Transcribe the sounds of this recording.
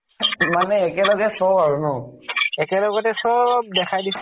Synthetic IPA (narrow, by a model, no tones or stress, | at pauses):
manɛːkɛlɔɡɛsɔbaɹunɔɛkɛlɔɡɔtɛsɔbdɛkʰajdis